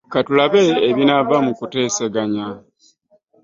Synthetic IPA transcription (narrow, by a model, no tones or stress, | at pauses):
katulaβeːβinavamukute̞ːseɡaɲa